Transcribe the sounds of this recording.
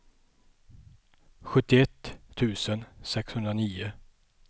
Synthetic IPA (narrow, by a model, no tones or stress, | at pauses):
ɧɵt̪ːɪɛt̪ʰːʉ̟ːsənsɛkshɵnd̪ɾaniːʊ